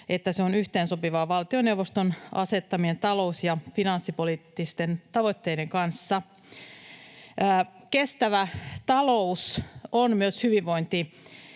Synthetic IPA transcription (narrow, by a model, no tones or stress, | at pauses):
et̪ːæseonyht̪eːnsopiʋɑːʋɑlt̪ione̞wʋost̪onʔɑ̰se̞t̪ːɑmie̞nt̪ɑlo̞usjɑfinɑnsːipoliːt̪ːist̪e̞nt̪ɑʋo̞t̪ːe̞jde̞ŋkɑnsːɑ | kest̪æʋæt̪ɑlousonmyøshyʋiʋʋo̞int̪i